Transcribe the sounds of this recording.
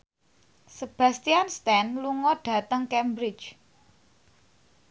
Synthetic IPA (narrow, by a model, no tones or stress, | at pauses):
səb̥ä̤st̪ianst̪ɛnluŋɔɖ̥ä̤t̪əŋkɛmbɾɪt͡ʃ